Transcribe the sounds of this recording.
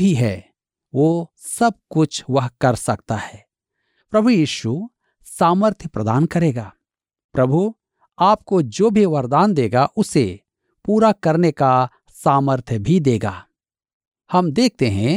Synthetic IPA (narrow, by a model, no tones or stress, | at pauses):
ɦiɦɛ̰ː | ʋoː | sɐb̚kʊt͡ʃʰʋɐɦkɐɾsɐk̚t̪ahɛː | pɾɐbʱujiːʃu | saːməɾt̪ʰjəpɾɐd̪aːnkɐɾeːɡaː | pɾɐbʱu | aːp̚kod͡ʒoːbʱiʋɐɾd̪aːnd̪eːɡaʔʊsḛ | puːɾakɐɾneka | saːməɾt̪ʰjəbʱid̪eːɡa̰ː | hɐmd̪eːk̚ʰt̪eɦɛ̃